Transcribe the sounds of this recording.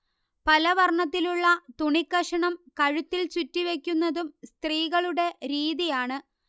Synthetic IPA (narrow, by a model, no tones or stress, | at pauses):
pɐlɐʋɐrɳɐt̪̬ːiluɭːɐt̪uɳikːɐʂɐɳɐmkɐɻut̪ːilt͡ɕutːiʋe̞kʲːunːɐðumst̪riːɣɐɭuɽe̞ɾiːðijaːɳɨ